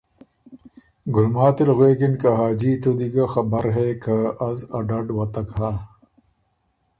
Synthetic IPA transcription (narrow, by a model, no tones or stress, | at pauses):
ɡʊlmaːt̪ilɣweːkinkaɦaːd͡ʑiːt̪ud̪iɡaxɐbɐɾɦekʰaɐzɐɖɐɖwɐt̪ɐkɦaː